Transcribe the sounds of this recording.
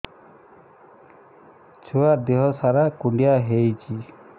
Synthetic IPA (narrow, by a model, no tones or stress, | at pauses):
t͡ʃʰuad̪eɦɔsaɾakuɳɖjaɦejt͡ʃʰi